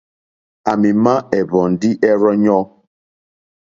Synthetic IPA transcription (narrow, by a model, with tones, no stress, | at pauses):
a˨mi˨ma˦ɛ˨βɔ˨n˨di˦ʔɛ˦ɾɔ˦ɲɔ˦